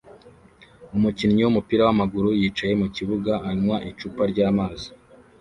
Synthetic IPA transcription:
umucinɲiwumupiːɾawamaɡuɾujiːt͡ʃaje̞muciβuɡaaɾimwaʔit͡ʃuːpaɾɟaːmaːzi

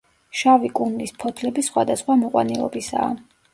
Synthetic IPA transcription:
ʃavikʼund̪ispʰɔt̪ʰlɛbisχwad̪asχwamɔqʼwa̰nilˠɔ̰bisa̰ː

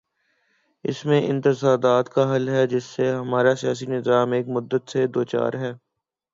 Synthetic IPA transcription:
ɪ̰smẽʔɪ̰̃nt̪ɪsaːd̪aːt̪kaɦɐlɦɛd͡ʒɪsːeɦɐmaːɾasijaːs̬inɪzaːmeːkmʊd̪ːət̪sed̪oːt͡ʃa̰ːɾɦɛː

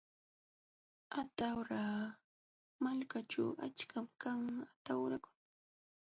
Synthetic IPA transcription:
at̪awɾaː | malkat͡ʃa̰wa̰t͡ʃkʰamkaŋat̪awɾakʊ̥ŋ

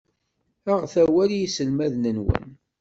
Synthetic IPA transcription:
æʁθæwæljisəlmæðnənwə̰n

